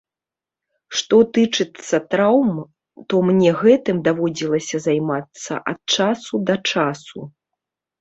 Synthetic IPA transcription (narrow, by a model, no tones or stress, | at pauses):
ʂt̪ɔt̪ɨt͡ʂɨt̪sːɐt̪ɾawm | t̪ɔmnʲɛɣɛt̪ɨmd̪avɔd͡zʲilˠɐsʲɐzajmat̪sːɐ̰ʔɐt̪̚t͡ʂasud̪ɐt͡ʂasu